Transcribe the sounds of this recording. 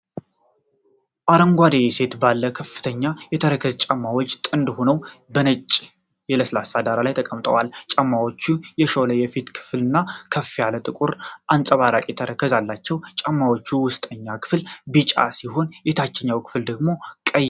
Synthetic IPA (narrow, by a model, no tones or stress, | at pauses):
ʔaɾəŋɡʷad̪ejese̞t̪balːəkʰəfːɨ̥t̪ʰəɲːajɛt̪ʰəɾəkʰəzt͡ʃʼamːawot͡ʃʼːt̪ʼɨnd̪ho̞nəwbənət͡ʃʼː | jɛləsɨlasad̪aɾalajt̪ʰəkʼəmt̪ʼəwalt͡ʃʼəmːawot͡ʃːujɛʃoləjɛfit̪kʰɨ̥flɨnːakʰəfːijalət̪ʼɨkʼuɾʔansʼəβaɾakʼit̪ʰəɾəkʰːəzalːat͡ʃːɛwt͡ʃʼəmːawot͡ʃːuwʊst̪ʼəɲːakʰɨ̥flbit͡ʃʼa̰siɦo̞njɛt̪ʰat͡ʃːɛɲːawkʰɨ̥fld̪əɡmo̞kʼəj